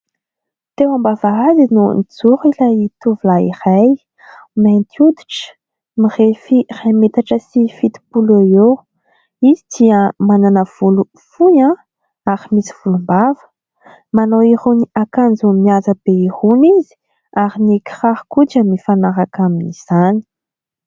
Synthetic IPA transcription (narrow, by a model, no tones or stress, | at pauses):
t̪ewambavaazinunit͡suɾilajit̪uvulaḭraj | majnt̪ʰiud̪iʈ͡ʂə̥ | mirefirajmet̪aʈ͡ʂəsifit̪i̥puleo | izid̪̥iəmananəv̥ulu | fujã | aɾimisi̥v̥ulumbavə̥ | manowiɾuniakand͡zumiazəb̥eihunizi̥ | aɾiniki̥rahkuʈ͡ʂamifanaɾakaminiz̥ani̥